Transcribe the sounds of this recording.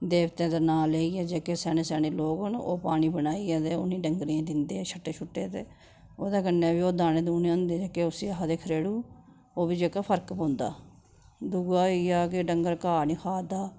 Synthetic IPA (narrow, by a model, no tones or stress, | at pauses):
d̪eːʋt̪ẽːd̪əːnaːleːiːɛːd͡ʒeːkeːsɛːneːsɛːneːloːɡno̰ːpaːniːbənaːiːɛːt̪eːo̰nĩːɖəŋɡɾiãːd̪ɪnd̪eːɛːt͡ʃʰəʈːeːt͡ʃʰʊʈːeːt̪eː | oːd̪aːɡənːeːbiːoːd̪aːnẽːd̪uːnãnd̪eːd͡ʒeːkeːʊsiːəɦad̪eːkʰəɾeːɽuː | oːbiːd͡ʒeːkaːpʰəɾkbõːnd̪a̰ː | d̪ʊɡaːiaːkeɖəŋɡəɾkaːniːkʰaːd̪aː